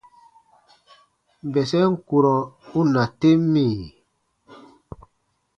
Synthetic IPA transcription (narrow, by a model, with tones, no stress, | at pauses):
m̩˨bɛ˨sɛ˦ŋ̩˦˨ku˨ɾɔ˨u˦na˨te˦mi˦˨